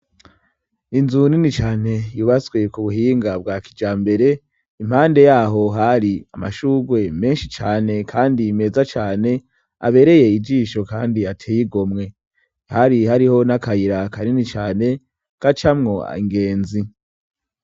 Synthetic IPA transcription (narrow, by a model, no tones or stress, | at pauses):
inzuninit͡ʃaːne̞juːβaswe̞kuβuɦiːŋɡabɡaːkid͡ʒaːmbe̞ɾe̞ | im̥haːnde̞jaːɦo̞ɦaɾiama̰ʃuːɡwe̞me̞ːnʃit͡ʃaːne̞kʰaːndime̞zat͡ʃaːne̞ | a̰βe̞ɾe̞je̞id͡ʒiːʃo̞kaːndiatʰeːjiɡo̞mŋe̞ | haɾihaɾiho̞nakaiɾakaɾinit͡ʃaːne̞ | kat͡ʃamŋo̞a̰iŋɡe̞ːnzi